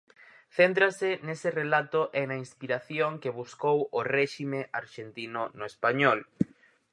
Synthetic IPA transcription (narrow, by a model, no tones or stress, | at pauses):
θent̪ɾasɪnesɪrelat̪ʊʔenaĩnspiɾaθjoŋkeβuskoworɛʃimeʔaɾʃent̪inʊnʊespaɲɔl